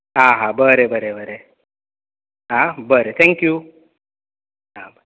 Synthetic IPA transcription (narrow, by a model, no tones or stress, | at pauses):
aːɦãbəɾebəɾebʱəɾe | abəɾet̪ʰɛŋkju | ab